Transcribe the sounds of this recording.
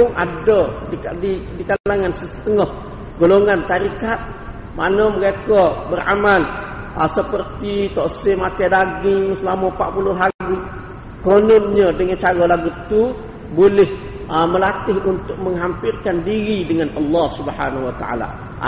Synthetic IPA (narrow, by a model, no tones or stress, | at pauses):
ʊŋʔa̰dɔddidikalalaŋansəsə̥t̪əŋɔh | ɡoloŋant̪aɾikat̪̚ | ma̰nəməɾekɔbəra̰mal | ʔəsəpərt̪it̪oʔsɪmakajdaɡɪŋsəlamɔpa̰ʔpulʊɦaɡu | konɔnɲədəŋant͡ʃaɾɔlaɡut̪u | bolɪh | əməlat̪ɪɦunt̪ʊk̚məŋɦampɪrkandiɾidəŋanʔɑlːɑhsubəha̰nawat̪a̰ʔa̰la̰